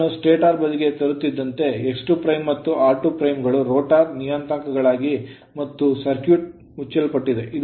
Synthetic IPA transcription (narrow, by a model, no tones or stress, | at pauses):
usʈeːʈaːɾbɐd̪iɡe̞t̪ɐɾut̪ːid̪ːɐnt̪e̞eksʈupɾɐjmːɐt̪ːuʔaːɾʈupɾɐjmɡɐɭuɾoːʈaːɾnijɐnt̪aŋkɐɡɐɭaːɡi | mɐt̪ːusɐɾkjuːʈ̚ | mut͡ʃːɐlpɐʈːid̪e̞ʔid̪